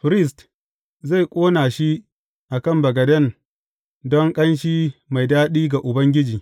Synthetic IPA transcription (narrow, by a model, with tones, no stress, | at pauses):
ɸɾɪ˦s̬t | za˦˨jkʷʼoː˦naː˨ʃi˦ | ʔa˨kɐ˦˨mbɐ˨ɡɐ˨dɐ˦˨n | dɔ˦ŋkʼɐ˦nʃiː˦ma˨jdaː˦ɗiː˦ɡa˨ʔʊ˨bɐ˦ŋɡʲɪ˦d͡ʒiː˨